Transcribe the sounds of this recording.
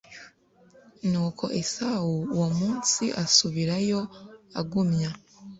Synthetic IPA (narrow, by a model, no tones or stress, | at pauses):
nuːkʰo̞̰ʔesawuwomuːnsiʔasuβiɾajo̞aɡumɲa